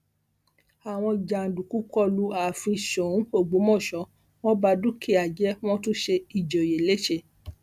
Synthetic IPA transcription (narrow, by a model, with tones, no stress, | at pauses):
a˨w̃ɔ̃˧d͡ʒa˨n̩˨du˨ku˨˦kɔ˦˨lu˧a˨fĩ˧ʃõ˨˦o˦˨ɡ͡bo˨˦mɔ̃˦˨ʃɔ˨˧˦ | w̃ɔ̃˦ba˧du˦ki˦˨a˨d͡ʒɛ˦w̃ɔ̃˦tũ˦ʃe˧i˨d͡ʒɔ˨je˨le˦ʃe˦˨